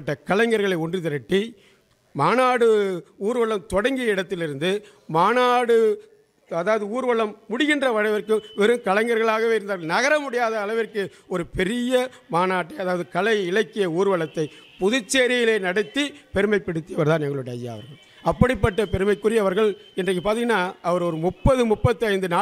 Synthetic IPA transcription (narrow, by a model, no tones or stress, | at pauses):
ʈːɐkɐlɐŋɡɐɾɣɐɭɐɪɔndrit̪ɪɾɐʈːi | maːnaːɽɯuːɾɯʋɐɭɐmt̪ɔɽɐŋɡɪjɐɪɽɐt̪ːɪlɪɾɯnd̪ɯ | maːnaːɽɯ | ɐðaːʋɐðɯuːɾɯʋɐɭɐmːʊɽɪɣɪndrɐʋɐɾɐɪʋɐɾkːɯʋɛɾɯmkɐlɐɪŋɡɐɾɣɐɭaːɣɐʋeːɪɾɯnd̪aːɾɣɐɭnɐɣɐɾɐmʊɽɪjaːðɐːɭɐʋɪrkɯ | ɔɾɯpɛɾɪjɐ | maːnaːʈːɐɪɐðaːʋɐðɯkɐɭɐɪɪɭɐkːɪjɐuːɾʋɐɭɐt̪ːɐɪpʊðʊt͡ʃːeːɾɪjɪleːnɐɽɐt̪ːipɛɾɯmɐɪpːɐɽɯt̪ːɪjɐʋɐɾt̪ãːnɛŋɡɐɭɔɽɐja̰ːɐ̰ʋɐɾɣɐɭ | ɐpːɐɽɪpːɐʈːɐpɛɾɯmɐɪkːɯɾɪjɐʋɐɾɣɐɭɛndrɐkːɯpːaːɾt̪iŋɡɐnːaːɐʋɐɾɔɾɯmʊpːɐðɯmʊpːɐt̪ːɯɐɪnd̪ɯnaː